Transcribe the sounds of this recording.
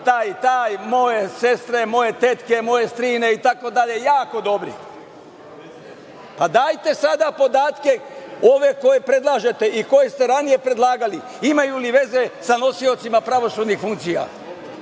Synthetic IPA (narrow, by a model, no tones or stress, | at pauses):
t̪aːjt̪aːjmo̞je̞se̞st̪ɾe̞mo̞je̞t̪et̪ke̞mo̞je̞st̪ɾiːne̞it̪ako̞d̪aʎe̞jaːko̞d̪o̞bɾḭ | pad̪aːjt̪e̞sad̪apo̞d̪aːt̪ke̞o̞ʋe̞ko̞je̞pɾe̞d̪lˠaːʒe̞t̪e̞ʔiko̞je̞st̪e̞ɾanije̞pɾe̞d̪lˠaːɡali | imajuliʋe̞ze̞sano̞sio̞t̪simapɾaʋo̞suːd̪nixfuŋkt̪sija̰